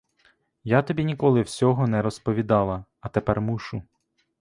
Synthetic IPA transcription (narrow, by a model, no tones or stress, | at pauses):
jat̪ɔbʲinʲikɔlˠɪwsʲɔɦɔnɛɾɔspɔʋʲid̪ɑlˠɐ | ɐt̪epɛrmuʃʊ